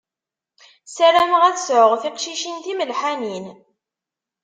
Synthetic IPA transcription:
sælæmʁæθəsʕəʁθiqʃiʃinθiməlħanin

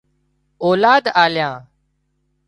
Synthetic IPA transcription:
oːlaːd̪aːljãː

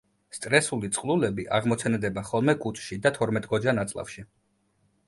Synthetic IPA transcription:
st̪ʼɾɛsulit̪sʼqʼlulɛbiʔaʁmɔt̪sʰɛnd̪ɛbaχɔlˠmɛkʼut͡ʃ̪ʼʃid̪at̪ʰɔɾmɛt̪ʼɡɔd͡ʒanat̪sʼlˠa̰fʃi

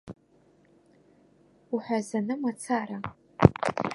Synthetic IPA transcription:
uħʷazanɨmat͡sʰaːɾa

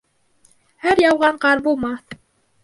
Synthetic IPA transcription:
hæɾjɑwʁɑɴqɑɾbulˠmɑθ

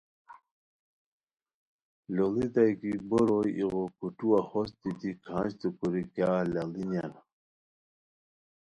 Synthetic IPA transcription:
lolit̪ajkiboɾojiɣokuʈuwaxɔst̪it̪ikʰãːɕt̪ukuɾikjaːlalinan

